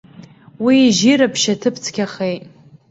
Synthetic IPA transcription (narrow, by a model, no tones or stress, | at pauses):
wiːʒiɾapʰʃatʰɨpʰt͡sʰkʲʰaχejtʼ